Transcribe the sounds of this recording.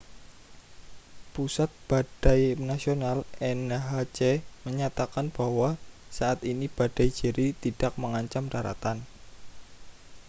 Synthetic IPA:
pusat̪̚b̥aɖ̥a̤jnasionalʔɛnɦat͡ʃeməɲat̪akanb̥a̤wasaʔat̪inib̥aɖ̥a̤jd͡ʒə̤ɾʔit̪id̥a̤k̚məŋaɲt͡ʃamdaɾa̰t̪an

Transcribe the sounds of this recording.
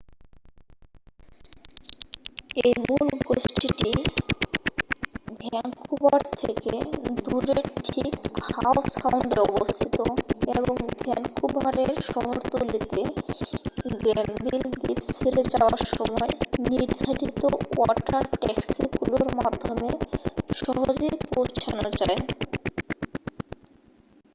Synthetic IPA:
ejmulɡosʈiʈi | bʱɛɛŋkubaɾt̪ʰeked̪uɾeʈʰikhawsawɳɖeɔbost̪ʰit̪oeboŋbʱɛŋkubaɾeɾʃɔɦoɾt̪olit̪e | ɡenbild̪ipsʰiɾed͡ʑaoaɾʃɔmɔeniɾd̪ʱaɾit̪oɔʈaɾʈɛksiɡuloɾmad̪ʱːomeʃɔɦod͡ʑejpowt͡ɕʰanod͡ʑae

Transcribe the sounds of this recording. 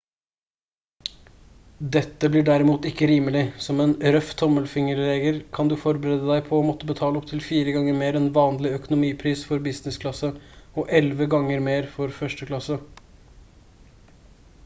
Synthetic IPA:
d̪ɛt̪ːəblɪɖæɾɪmuːt̪ɪkːəɾiːməlɪsɔmɛːnɾœft̪ʰːɔməlfɪŋəɾleːɡəɾkʰɑnd̪ʉfɔɾbəɾeːd̪əd̪æɪpʰɔːmɔt̪ːəbət̪ʰɑːləɔp̚t̪ʰɪlfiːɾəɡɑŋːəɾmeːɾɛnʋɑːnlɪœkʊnʊmiːpʰɾiːsfɔɾbɪsnɪskʰlɑsəɔʔɛlʋəɡɑŋːəɾmeːɾfɔɾfœʂʈəklɑsə

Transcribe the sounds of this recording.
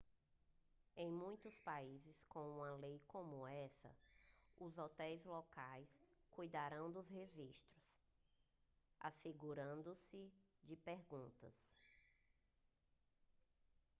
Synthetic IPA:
ẽj̃mũj̃t̪ʊspaizɪskõw̃ũmɐlejkõmʊɛsɐ̰ʊzɔt̪ɛjzlɔkajskujd̪aɾɐ̃w̃d̪ʊzheʒiʃt̪ɾʊs | a̰seɡuɾɐ̃nd̪ʊsɪd͡ʒɪpeɾɡũnt̪ɐ̰s

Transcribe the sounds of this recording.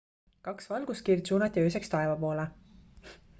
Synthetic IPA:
kɑksvɑlɡuskird̪suːnɑt̪ʲːˑiøːsekst̪ɑevɑpo̞ːle

